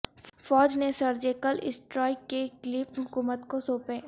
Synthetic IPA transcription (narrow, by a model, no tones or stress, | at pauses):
fɔːd͡ʒnesɐɾd͡ʒeːkəlɪ̰sʈɾɔːɪkːekliːpɦʊkuːmət̪kosoːpeː